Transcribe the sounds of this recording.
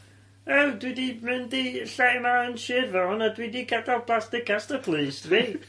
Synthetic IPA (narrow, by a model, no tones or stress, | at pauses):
ɛwdwɪdimɨndiɬamaənʃɪrvɔnadwidiɡadalˠpʰlˠastɪkastəpʰlˠiːsdvi